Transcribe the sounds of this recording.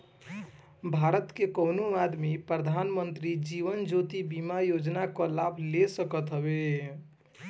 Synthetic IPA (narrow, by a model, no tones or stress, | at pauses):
bʱaɾət̪kekənomad̪mipɾəd̪ʱanmənt̪ɾid͡ʒiβənd͡ʒot̪ibimajod͡ʒnakɔlabʱlesəkət̪ɦəbe